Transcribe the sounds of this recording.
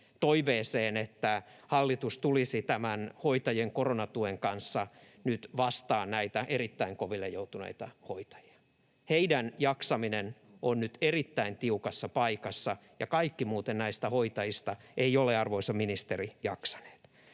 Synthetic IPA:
t̪oiʋeːseːnet̪ːæhɑlːit̪ust̪ulisit̪æmænhoit̪ɑjeŋkoronɑt̪ueŋkɑnsːɑ | nyt̪ʋɑst̪ɑːnnæit̪æʔerit̪ːæiŋkoʋilːejout̪unḛit̪ɑhoit̪ɑ̥ji̥ɑ̥ | heidænjɑksɑminen | ʔonnyt̪erit̪ːæint̪iukɑsːɑpɑikɑsːɑjɑkɑikːimuːt̪ennæist̪æhoit̪ɑjist̪ɑeioleɑrʋoisɑminist̪erijɑksɑ̥ne̥ːt̪

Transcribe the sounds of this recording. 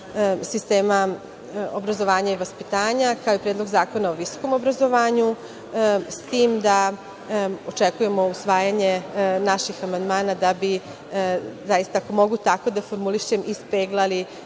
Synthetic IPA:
sist̪e̞ːma | o̞bɾazo̞ʋaːɲaiʋaspit̪aːɲakao̞ipɾeːd̪lˠo̞ɡzaːko̞naoʋiso̥ko̞mo̞bɾazo̞ʋaːɲu | st̪iːmd̪a | ot͡ʃe̞kuje̞mo̞usʋaːjaɲe̞naʃixamand̪maːnad̪abi | zajist̪akomo̞ɡut̪ako̞d̪afo̞ɾmuliʃe̞mʔispeːɡlˠali

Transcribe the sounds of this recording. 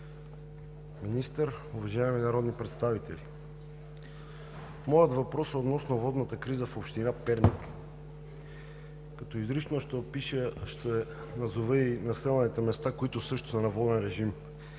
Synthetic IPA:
minist̪əɾʊvɐʒaminɐɾɔd̪nipɾɛt̪st̪avit̪ɛlʲi | mɔjət̪vɐpɾɔsəod̪nɔsnovɔd̪nət̪əkɾizəfopʃt̪inapɛɾnik | kɐt̪ɔizɾit͡ʃnoʃt̪opiʃət̪ | nɐzovɛinɐsɛlˠənit̪ɛmɛst̪akoit̪ʊsɤʃt̪ʊ̥sɐnɐvɔlɛnɾɛʒim

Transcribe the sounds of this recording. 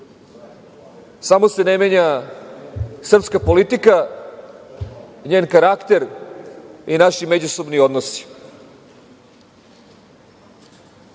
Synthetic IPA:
samo̞se̞nemeɲa | sr̩pskapo̞lit̪ika | ɲeːnkaɾakt̪e̞ɾ | inaʃime̞d͡ʑuso̞bnio̞d̪nosi̥

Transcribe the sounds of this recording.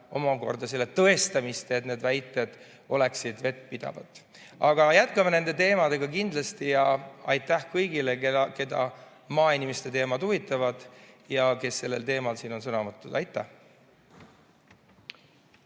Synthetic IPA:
o̞mɑko̞̰rd̪̥ɑselːet̪ɤe̞st̪ɑmist̪et̪ned̪væjt̪ːˑe̞d̪̥ | o̞le̞ksid̪̥ve̞t̪ːˑpid̪̥ɑ̰vɑ̰d̪̥ | ɑɡ̥ɑjæt̪̚kɑme̞ne̞nd̪̥e̞t̪e̞ːmɑd̪e̞ɡ̥ɑkind̪̥lɑst̪ijɑɑjt̪ːæhkɤjɡileeke̞d̪̥ɑ̰ | mɑːinimist̪e̞t̪e̞ːmɑd̪uvit̪ːˑɑvɑd̪̥jɑke̞sːe̞lːe̞̰lt̪e̞ːmɑlsiːno̞nsɤnɑvɯt̪ːˑud̥̪ɑjt̪ːˑæh

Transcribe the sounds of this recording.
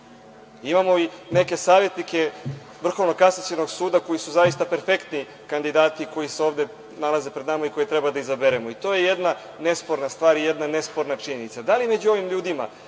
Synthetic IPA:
imamo̞ine̞ke̞saːʋje̞t̪nike̞ | ʋr̩xo̞ʋno̞kasaseno̞ɡsuːd̪ako̞jisuzaist̪apeɾfe̞kt̪ni | kand̪id̪aːt̪iko̞jiseo̞ːʋd̪e̞ | nalˠaze̞pɾed̪namaiko̞jit̪ɾebad̪aizabeɾemoit̪oːjejed̪na | ne̞spo̞ɾnast̪ʋaːɾijed̪nanespo̞ɾnat͡ʂiɲe̞nit̪sad̪alimed͡ʑuo̞ʋimʎuːd̪ima̰

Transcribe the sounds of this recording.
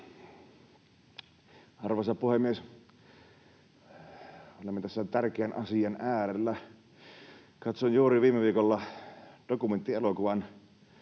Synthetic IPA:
ɑrʋɑsɑppuhemːies | olemːet̪æsːæt̪ærkeːnʔɑsiɑnæːɾelːæ | kɑt̪sonjuːɾiʋiːmːeʋiːkolːɑd̥okument̪ːielokuʋɑn

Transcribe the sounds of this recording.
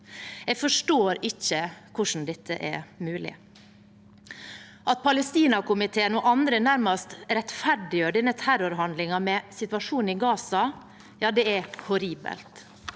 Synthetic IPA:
ɛɡfɔʂʈoːɾɪçːəkʰʊʂn̩d̪ɛt̪ʰːəʔɛ̰ɾmʉːlɪ̰ | ʔɑt̪̚pʰɑləst̪iːnɑkʊmɪt̪ʰeːnɔʔɑnd̪ɾənæɾmɑst̪ɾɛt̪fæɖɪjøːɖɛnət̪ʰæɾʊɾɦɑnd̪lɪŋɑmɛsɪt̪ʋɑʂuːnn̩ɪɡɑːsɑ | jɑːd̪ɛɛhʊɾiːbə̰lt̪

